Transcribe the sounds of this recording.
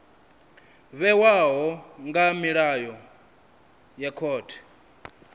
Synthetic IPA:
βɛwaɦɔŋɡamiɺajɔ | jakʰɔːtʰɛ̥

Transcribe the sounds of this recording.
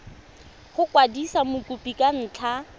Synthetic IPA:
χʊkʼwadisamʊkʼupʼikʼan̩ːt͡ɬʰa

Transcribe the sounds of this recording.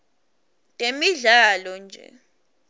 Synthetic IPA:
tʼemiɮaːlɔnd͡ʒʱɛ̰

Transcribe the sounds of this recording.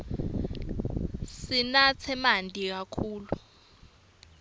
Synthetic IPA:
sinat͡sʰɛmandʱʼik̬akʰuːlu

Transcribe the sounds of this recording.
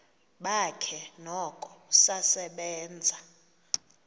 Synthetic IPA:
ɓakʰɛnɔkʼɔsasɛɓɛːnd͡zʱa

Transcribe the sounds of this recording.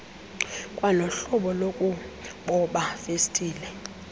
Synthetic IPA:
kʼwalɔɬɔɓɔlokʼuɓɔɓafestʼiːlɛ

